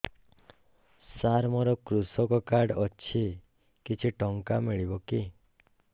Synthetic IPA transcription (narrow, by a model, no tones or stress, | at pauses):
saɾmɔɾɔkɾusɔkɔkaɖɔt͡ʃʰi | kit͡ʃʰiʈɔŋkamiɭibɔki